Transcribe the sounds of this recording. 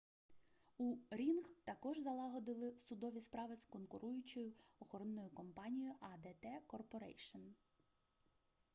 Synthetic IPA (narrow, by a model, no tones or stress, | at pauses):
uɾʲinxt̪ɐkɔʒzɐlˠɑɦɔd̪ɪlˠɪsʊd̪ɔʋʲispɾɑʋɪskɔnkʊɾʔujʊt͡ʃɔjʊɔxɔɾɔnːɔjʊkɔmpɑnʲijʊʔɐd̪ɛt̪ɛkɔrpɔɾɛ̰jʃɔn